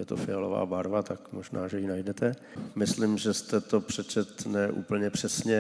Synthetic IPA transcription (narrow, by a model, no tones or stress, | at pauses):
jɛt̪ofɪalova̰ːbaɾvat̪akmoʒna̰ːʒɛjinajdɛt̪ʰɛ | mɪslɪmʒɛst̪ɛt̪o̞pr̥ɛt͡ʃɛt̪nɛʔṵːpl̩ɲɛpr̝̥ɛsɲɛ